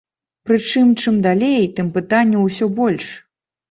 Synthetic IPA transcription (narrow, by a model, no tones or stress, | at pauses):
pɾɨt͡ʂɨmt͡ʂɨmd̪alʲejt̪ɨmpɨt̪anʲːuwsʲɔbɔlʲʂ